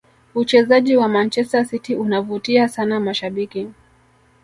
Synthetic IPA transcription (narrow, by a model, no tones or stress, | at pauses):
ut͡ʃɛzaʄiwamant͡ʃɛstasitiʔunavutiasanamaʃaɓiki